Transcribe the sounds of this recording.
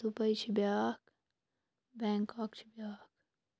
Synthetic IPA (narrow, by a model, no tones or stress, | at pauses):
supɐit͡ʃʰibjaːk | bɛ̃ːŋkakt͡ʃʰibʲjaːk